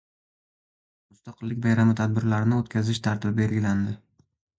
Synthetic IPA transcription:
mʊst̪ɑqɨlːɪkʲbajɾamɪt̪ʰad̪̚bɪɾlaɾɪnɪot̪kʲazɪʃt̪ʰaɾt̪ʰɪbɪbe̞lɡʲɪland̪ɪ

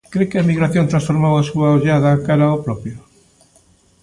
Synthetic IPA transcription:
kɾekeaemiɣɾaθjont̪ɾãsfoɾmawasuaoʎaðakaɾaopɾopjo

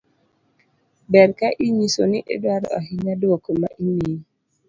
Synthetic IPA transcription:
bɛɾkaʔiɲisonɪʔedwaɾɔ̰a̰ɦɪɲadookomaʔini

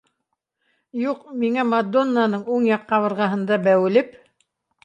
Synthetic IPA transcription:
juqmiŋæmad̪ːo̞nːanɤɴuɴjɑqːɑβɤ̆ɾʁɑɦɤ̆nd̪ɑbæwɘ̆lɘp

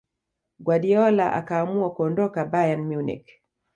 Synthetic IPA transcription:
ɡwaɗiɔla̰ʔa̰kaːmuakuɔndɔkabajanmjunḭk

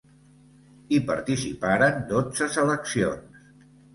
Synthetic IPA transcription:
ipa̰ɾt̪isḭpaɾənd̪od͡zəsələksions

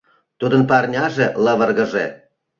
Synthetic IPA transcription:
t̪ud̪ənpɑrnʲɑʒelɤβə̆rɣə̆ʒe

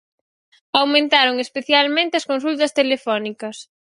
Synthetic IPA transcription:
awmẽnt̪aɾoŋespeθjalmẽnt̪ɪɐskonsult̪ɐst̪elefɔnikɐs

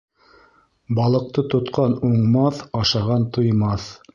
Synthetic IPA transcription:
bɑlˠɤ̆q̚t̪ɤt̪ŏt̪qɑnuɴmɑθɑʃɑʁɑnt̪ŏjmɑθ

